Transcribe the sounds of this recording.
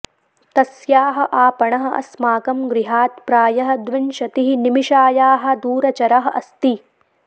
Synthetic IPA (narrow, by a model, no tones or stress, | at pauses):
t̪ɐsjaːɦɐ̆ʔaːpɐɳɐɦɐ̆ɐ̰smaːkɐmɡɾiɦaːt̪pɾaːjɐɦɐ̆d̪ʋinʃɐt̪iɦinimiʃaːjaːɦɐ̆d̪uːɾɐt͡ʃɐɾɐɦɐ̆ʔɐ̰st̪i